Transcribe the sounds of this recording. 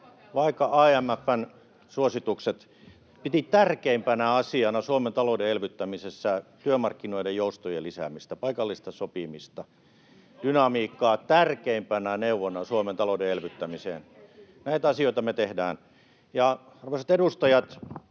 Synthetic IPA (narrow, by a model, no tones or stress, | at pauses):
ʋɑikːɑʔɑːæmæfːæn | suosit̪ukset̪ | pit̪it̪ærkeimpænæɑsiɑnɑsuoment̪ɑloudeelʋyt̪ːæmisesːæt̪yømɑrkːinoidejjoust̪ojelːisæ̰mist̪æpɑikɑlːist̪ɑsopimist̪ɑ | d̥ynɑmiːkːɑːt̪ærkeimpænæneuʋonɑsuoment̪ɑloudeelʋyt̪ːæmisḛːn | næit̪ɑsioit̪ɑmet̪ehdæ̰ːn | jɑ | ɑrʋoiset̪edust̪ɑjɑt̪